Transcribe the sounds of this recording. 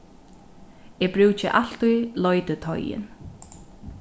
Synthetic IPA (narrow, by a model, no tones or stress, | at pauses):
ɛbɾʉːt͡ʃɪʔal̥t̪ujlɔjt̪ɪt̪ʰɔ̰jɪ̰n